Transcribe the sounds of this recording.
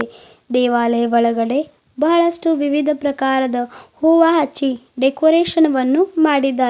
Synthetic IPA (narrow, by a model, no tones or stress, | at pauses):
d̪ɛːʋaːlɐjɐʋɐɭɐɡɐɽe̞ | bɐɦɐɭɐsʈuʋiʋid̪ʱɐpɾɐkaːɾɐd̪ɐhoːʋaːɦɐt͡ʃːiɖekoːɾeːʂɐnɐʋɐnːumaːɽid̪ːaː